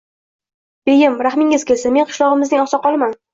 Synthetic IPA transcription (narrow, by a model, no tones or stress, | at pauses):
b̥ejɪmɾaχmɪŋɪzkʲesɪme̞nqʰɨ̥ʃlˠɒʁɨmɪznɪŋɒsɒqɒlˠman